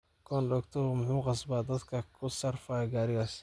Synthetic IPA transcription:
kʰɔːnɖɔɡt̪ʰɔmʊħuːqɑsbaːd̪ɐd̪kʰɐkʰʊsɐrfaːɡaːɾɪɣaːs

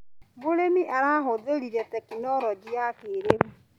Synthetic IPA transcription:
boɾemiʔaɾaɦodeɾiɾɛtɛkinɔɾɔd͡ʒiakeɾemu

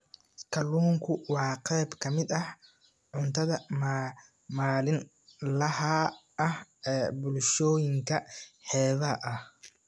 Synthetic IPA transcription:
kʰɐluːŋkʰʊwɑːqɛjbkʰɐmɪd̪ɐh | ʕʊnt̪ʰɐðɐm | maːlɪn | lɐhɐ | ɐhɛːbʊlʃɔːjɪŋkʰɐħɛːðɐʔɐh

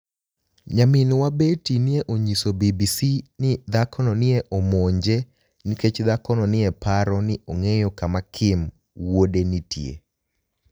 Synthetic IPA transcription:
ɲamɪnwabetinɪeʔoɲisobibisinɪd̪akɔnɔnɪeʔomoɲd͡ʒe | niket͡ʃd̪akɔnɔnɪɛpaɾɔnɪoŋejɔkamakʰɪm | wodenitʰjḛ

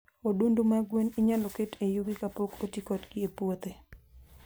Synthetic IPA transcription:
odundumaɡwenɪɲaloketejuɡɪkapokotikɔtɡɪepwot̪e

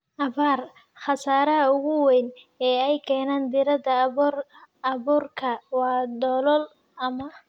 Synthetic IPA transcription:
ʔɐβaːr | χɑsaːɾɐɐʊɣʊwɛjn | ɛːɛjkʰɛːnaːnd̪ɪɾɐd̪ɐ | ɐβuːrkʰɐwɑːd̪ɔːlɔl | ɐmɐ

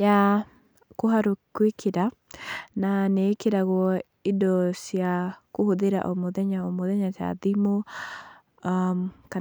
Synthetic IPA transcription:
ja | koɦaɾokwekʰeɾa | nanekeɾaɣwɔ | idɔsjakohoðeɾa̰ʔɔmɔðɛɲaɔmoðɛɲata̰ðimo | amka

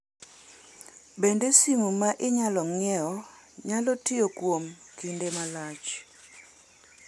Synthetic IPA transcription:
bendesimumaʔɪɲalɔŋɛɔ | ɲalɔtiokwomkindemalat͡ʃ

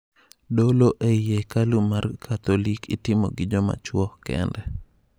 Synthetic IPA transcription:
doloʔejekalumarkʰat̪olikitɪmɔ̰ɡɪd͡ʒɔma̰t͡ʃwɔhkɛ̰ndɛ

